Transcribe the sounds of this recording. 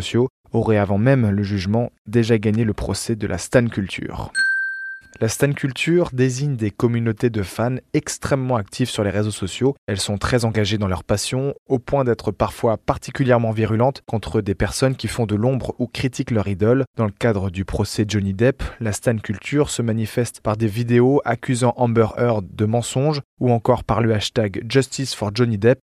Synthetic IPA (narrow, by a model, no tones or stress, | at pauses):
sjo | ɔʁɛavɑ̃mɛmləʒyʒmɑ̃d̪eʒaɡaɲeləpχɔ̰sɛd̪əlʔa̰st̪ankʲylt̪ʰy̰ːʁ | last̪ankʰʲylt̪ʰyʁd̪eziɲd̪ekɔmynot̪ed̪əfanɛkst̪χɛmːɑ̃akt̪ʰivsyʁleʁezosɔsjoɛlsɔ̃t̪χɛzɑ̃ɡaʒed̪ɑ̃lœʁpasjɔ̃opwɛ̃d̪ɛt̪χəpaʁfwapaʁt̪ikʲyljɛʁmɑ̃viʁylɑ̃t̪kɔ̃t̪χəd̪epɛʁsɔnkʲifɔ̃d̪əlɔ̃bʁukχit̪iklœʁid̪ɔld̪̥ɑ̃ləkad̪ʁəd̪ypχɔsɛʒɔnid̪ɛplast̪ankʲylt̪ʰyʁsəmanifɛst̪paʁd̪evid̪eoʔakʲyzɑ̃ʔɑ̃bœʁœʁd̪əmɑ̃sɔ̃ʒuɑ̃kɔʁpaʁləaʃt̪aɡʒɔst̪isfɔʁʒɔnid̪ɛp